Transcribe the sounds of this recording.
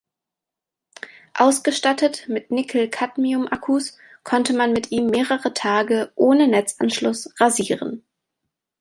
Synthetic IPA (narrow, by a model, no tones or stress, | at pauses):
ʔaʊsɡ̥əʃtatətmɪtnɪkʰl̩kʰatmiʊmʔakʰus | kʰɔntəmanmɪtʔiːmːeːʁəʁətʰaːɡəʔoːnənɛt͡sʔa̰nʃlʊsʁaziːʁə̰n